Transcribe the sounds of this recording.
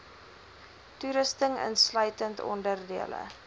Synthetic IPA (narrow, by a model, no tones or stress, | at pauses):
tuɾəstəŋə̰nslœɥtəntɔ̰ndərdiələ̰